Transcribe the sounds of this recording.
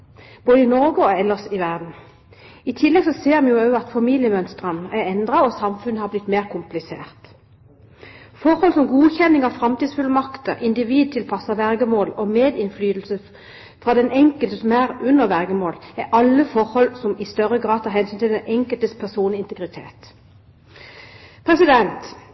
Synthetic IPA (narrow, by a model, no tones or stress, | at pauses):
b̥oːd̪əɪnɔʁɡəɔɛlːəʁsɪʋæʁd̪n̩ | ɪt̪ʰɪlːɛɡsɔseːʁmɛnjʊɑʉɑt̪fɑmiːljəmœnst̪ʁənʔæɾɛnd̪ʁɑɔsɑmfʉnːəhɑblɪt̪ːmeːʁkʰʊmplɪsḛːʁt̪ | fɔʁhɔlsɔmɡuːçɛnːɪŋɑʋfɾɑmt̪iːsfʉləmɑkt̪əʁɪnd̪ɪʋiːd̪̚t̪ʰɪlpʰɑsəʋɛʁɡəmoːlɔmeːd̪ɪnflyːd̪l̩sə | fʁɑd̪ɛnʔɛŋkəlt̪əsɔmæʁʉnːəʁʋɛʁɡəmoːlæʔɑlːəfɔɾhɔlsɔmɪst̪œɾəɡʁɑːd̪t̪ʰɑːɾhɛnsynt̪ʰɪld̪ɛnɛŋkəlt̪əspʰæsuːnəɪnt̪əɡʁɪt̪ʰḛːt̪ | pʰʁɛsɪd̪ɛnt̪